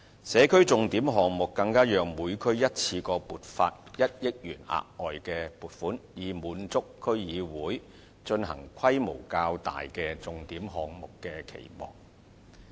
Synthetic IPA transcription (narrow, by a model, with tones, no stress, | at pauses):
sɛː˨˧kʰɵ˥ɥt͡sʊ˨ŋt̪iː˨˥mɦɔː˨ŋmʊ˨kːɐ˧ŋkaː˥jœː˨ŋmuː˨˧jkʰɵ˥ɥjɐ˥t̚t͡sʰiː˧kɔː˧puː˨t̚fa̰ː˧t̚jɐ˥t̚jɪ˥k̚jyː˨˩na̰ː˨k̚ɔː˨jkɛː˧puː˨t̚fuː˨˥njiː˨˩muː˨˧nt͡sʊ˥kʰːɵ˥ɥjiː˨˧wuː˨˥j | t͡ʃɵ˧nɦɐ̰˨˩ŋkʷʰɐ˥jmo̰˨˩wkaː˧wt̪a̰ː˨jkɛː˧t͡sʊ˨ŋt̪iː˨˥mɦɔː˨ŋmʊ˨kːɛː˧kʰḛ˨˩jmɔ̰ː˨˩ŋ̚